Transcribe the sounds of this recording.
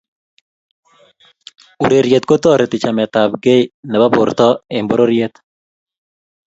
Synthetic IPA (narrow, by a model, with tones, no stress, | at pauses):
u˨ɾe˨ɾje˨t̪ko˦t̪ɔ˦˨ɾe˨t̪ɪ˨t͡ʃa˨mɛ˨t̪a˨bɡe˦nɛ˨ba˦bʊ˨ɾt̪ɔ˦embɔ˦ɾo˦ɾjet̪